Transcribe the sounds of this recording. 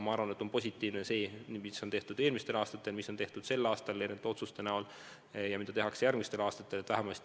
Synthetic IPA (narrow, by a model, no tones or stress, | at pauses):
mɑɑɾvɑne̞t̪ːo̞npo̞s̬ʲit̪ːˑiːvnese̞ːnimiso̞nt̪e̞ht̪ud̪e̞ːlmist̪e̞lɑːst̪ɑt̪ːˑe̞lmisːo̞nt̪e̞ht̪ud̪̥se̞lːɑːst̪ɑlenet̪eo̞t̪sust̪e̞næol | jɑmid̪̥ɑt̪eɦɑksejærɡ̥mist̪e̞lɑːst̪ɑt̪ːˑe̞let̪væɦemɑlst̪